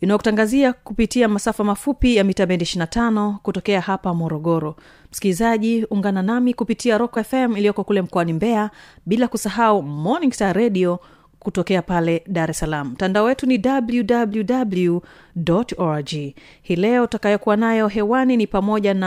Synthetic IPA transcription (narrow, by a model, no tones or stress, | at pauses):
inajɔkutaŋɡaziakupitiamasafamafupijamitabɛntiʃinatʰanɔkutɔkɛahapamɔɾɔɠɔɾɔ | m̩skilizaʄiuŋɡananamikupitʰiaɾɔkaɛfɛmilijɔkɔkulɛm̩kɔanimbɛaɓilakusaɦaumɔniŋɡstaɾɛɗiɔ | kutɔkɛapalɛɗaɾɛsalam̩m̩ːtandaɔwɛtunidabljudabljudablu | dɔtɔd͡ʒi | hiːlɛɔtakajɔkuwanajɔɦɛwaninipamɔʄana